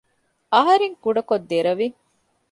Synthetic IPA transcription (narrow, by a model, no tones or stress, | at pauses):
ɐɦɐɾeŋkuɖɐkod̪ːeɾɐʋi